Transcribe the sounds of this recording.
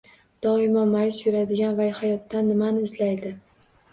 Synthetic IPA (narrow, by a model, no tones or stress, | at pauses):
d̪̥ɒɪmɒːajɪsjʊɾad̪ɪɡʲanvajhajɒt̪ːanːɪmanɪːzlajd̪ɪ